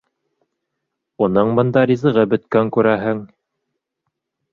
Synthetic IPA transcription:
unɤɴbɤ̆nd̪ɑɾʲizɤ̆ʁɤbɵ̆t̪kæŋkʉɾæɦɘŋ

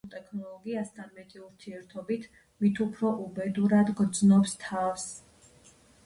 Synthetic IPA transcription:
t̪ʼɛkʰnɔlˠɔɡiasd̪anmɛt̪ʼiuɾt̪ʰiɛɾt̪ʰɔbit̪ʰ | mit̪ʰupʰɾɔʔubɛd̪uɾad̪ɡd̪znɔpst̪ʰafs

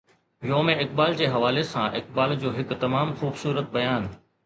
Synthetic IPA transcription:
joːmẽɪkbaːld͡ʑeːɦɐʋaːlesãʔɪk̚baːld͡ʑoːɦɪkt̪ɐmaːmxuːbsuːɾət̪̚bɐjaːn

